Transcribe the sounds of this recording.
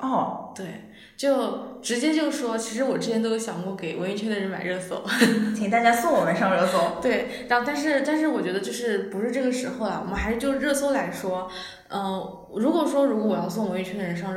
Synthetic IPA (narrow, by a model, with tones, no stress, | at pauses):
ɔ˥˩t̪we˥˩ɪ | t͡ɕjo˥˩ʊʈ͡ʂɻ̩˧˥t͡ɕjɛ˥t͡ɕjo˥˧ʊʂ̩˥˩ʂwɔ˥t͡ɕʰi˧˥ʂ̬ɻ̩˧˥wɔ˨˩ʈ͡ʂɻ̩˥t͡ɕʰjɛ˥nt̪o˥ʊjo˧˥˩ɕjɑ˨˩ŋkwɔ˥˩ke˨˩ɪwə˧˥i˥˧˩t͡ɕʰɥɛ˥nd̪ə˨ɻə˧˥nma˨˩ɪɻɤ˥˩sɤ̰˥˩t͡ɕ̪ʰi˨ŋt̪a˥˩t͡ɕja˥so˥˩ŋwɔ˨˩mə˧˦nʂɑ˥˧ŋɻɤ˥˩so˧˩ʊt̪we˥˩ɪɻa˧˥xo˥˧ʊt̪a˥˧nʂ̬ɻ̩˥˧t̪a˥˧nʂ̬ɻ̩˥˩wɔ˨˩t͡ɕɥɛ˧˥d̪ə˧t͡ɕjo˥˧ʊʂɻ̩˥˩pu˧˥ʂɻ̩˥˧ʈ͡ʂɤ˥˩ɡə˩ʂɻ̩˧˥xo˧ʊlɐ̰˨˩wm˥˩xʂɻ̩˥˧t͡ɕjo˥˧ʊʂɻ̩˥˧ɻɤ˥˩swo˥la˧˥ɪʂwɔ˥ | ə˥˧ | ɻu˧˥kwɔ˨˩ʂwɔ˥ɻu˧˥kɔ˧˥wɔ˨˩jɑ˥˧ʊs̬ŋwɛ˧˥i˥˩t͡ɕʰɥd̪ə˩ɻə˧˥nʂɑ˥˧ŋ˥